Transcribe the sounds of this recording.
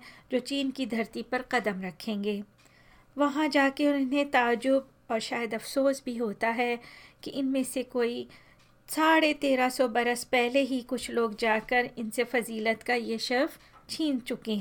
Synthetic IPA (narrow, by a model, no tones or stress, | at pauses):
d͡ʒoːt͡ʃiːnkid̪ʱɐɾt̪ipɐɾqɐd̪əmɾɐkʰẽːŋɡeː | ʋɐɦãd͡ʒaːkeɔɾɪnɦẽt̪aːd͡ʒʊb | ɔːɾʃaːjəd̪ɐfsoːsbʱiɦoːt̪aɦɛkiʔɪnmẽsekoːi | saːɽet̪eːɾasɔbɐɾəspɛɦleɦikʊt͡ʃʰloːɡd͡ʒaːkɐɾɪnsefɐziːlət̪kajeʃɐɾf | t͡ʃʰiːnt͡ʃʊkeɦɛ̃ː